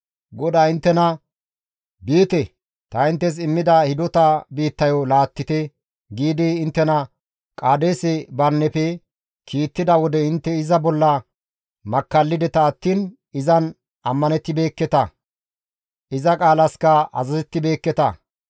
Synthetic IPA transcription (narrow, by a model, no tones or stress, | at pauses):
ɡɔd̪aːɪnt̪ːɛnɐ | biːt̪ɛ | t̪ɐɪnt̪ːɛs̬ɪmːɪd̪ɐhɪd̪ɔt̪ɐbiːt̪ːɐjɔlaːt̪ːɪt̪ɛ | ɡiːd̪ɪːnt̪ːɛnɐ | kʼaːd̪eːsɛbɐnːɛpɛ | kʰiːt̪ːɪd̪ɐwɔd̪ɛɪnt̪ːɛɪzɐbɔlːɐ | mɐkːɐlːɪd̪ɛt̪ɐːt̪ːiːn | ɪzɐn | ɐmːɐnɛt̪ːɪbe̞ːkːɛt̪ɐ | ɪzɐkʼaːlɐskɐɐ̰zɐzɛt̪ːɪbe̞ːkːɛt̪ɐ